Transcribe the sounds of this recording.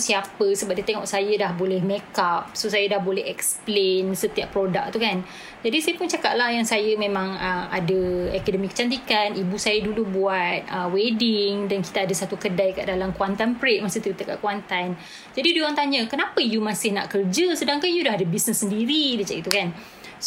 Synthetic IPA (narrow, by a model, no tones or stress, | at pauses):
siapəsəbap̚dit̪eŋɔ̰ʔsajədahbolɛhmɛkap̚sosajədahbolɛɦɛksplensət̪iaʔpːɾoda̰k̚t̪ukan | d͡ʒadisajəpʊnt͡ʃakaʔ̚lahjaŋsajəmẽmãŋəa̰dəɛkadəmĩkə̥t͡ʃant̪ikanibusajədulubuat̪̚əwedɪŋdanki̥t̪aadəsat̪ukədajkaʔdalamkuant̪anpɾet̪̚masɪht̪it̪aka̰ʔkuant̪an | d͡ʒadidioaŋt̪aɲəkənapəjumasɪhna̰ʔkərd͡ʒəsədaŋkanjudaɦadəbisnəsːəndiɾidət͡ʃaiʔt̪ukan | s